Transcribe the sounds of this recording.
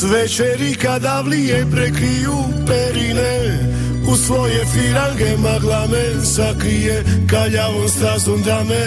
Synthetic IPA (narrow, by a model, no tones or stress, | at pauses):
ʋɛt͡ʃɛɾikad̪aʋlijɛpɾɛkɾiju | pɛɾinɛ | usʋojɛfiɾaŋɡɛmaɡlˠamɛ | sakɾijɛkaʎaʋonst̪azond̪ɾamɛ